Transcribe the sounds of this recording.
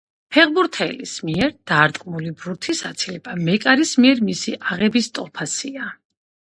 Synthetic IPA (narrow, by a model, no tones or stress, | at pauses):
pʰɛʁbuɾt̪ʰɛlismiɛɾd̪̥aːɾt̪ʼqʼmulibɾuɾt̪ʰisat̪sʰilɛb̥amɛkʼaɾismiɛɾmisiʔaʁɛbist̪ʼɔpʰasia